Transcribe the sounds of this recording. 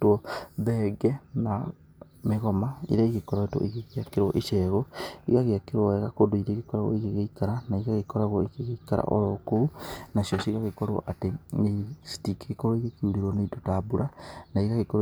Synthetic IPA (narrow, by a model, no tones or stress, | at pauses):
twɔðɛɡɛna | meɣɔmaḭɾaiɣekɔɾaetwo̰ʔiɣeɣeakeɾwɔʔeʃɛɣoiɣaɣeakeɾwɔɛɣakodoiɾeɣekɔɾaɣwɔ̰iɣeɣeikaɾanaiɣaɣekɔɾaɣɔikeɣeikaɾa̰ʔɔ̰ɾɔkounasjɔsiɣaɣekɔɾwɔ̰ʔatenestikɣekoɾoiɣekiuɾiɾwɔneitotabuɾanaiɣaɣekɔɾ